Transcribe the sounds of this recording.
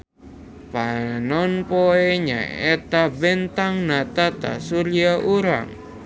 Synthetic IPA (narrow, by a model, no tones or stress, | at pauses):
panɔnpɔeɲa̰et̪abɛnt̪aŋnat̪at̪a̰suliaʔuɾa̰ŋ